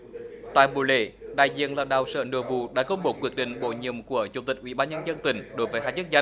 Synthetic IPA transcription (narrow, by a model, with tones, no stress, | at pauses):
t̪a̰ː˧˨jɓṵ˨˩lḛ˧˩ɗa̰ː˧˨jzḭ˧˨ənlaː˨˩ɗa̰ː˧˨˩wsə̰ː˧˨˩nɨ̰˧˩əvṵ˧˨ɗa̰ː˧˥kə˧wŋ͡mɓo˨˩kwi˧˩ək̚ɗḭ̈˧˨ŋ̟ɓo̰˧˨ɲḭ˧˨əmku˧˩ət͡ɕu˨˩ŋ͡mt̪i˨˩k̟̚ʔwḭ˧˩ɓaː˧nɲə˧nzə˧nt̪ï˨˩ŋ̟ɗo˨˦jvəː˨˦jɦaː˧˥t͡ɕə˦˥k̚zə˧